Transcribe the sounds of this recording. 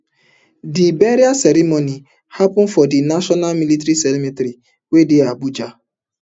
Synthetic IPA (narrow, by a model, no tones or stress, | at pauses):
dibeɾiasɛɾimoni | hapʊn̩fɔdɪnaʃɔnalmilitɾisɛlimitɾi | wedɪabud͡ʒa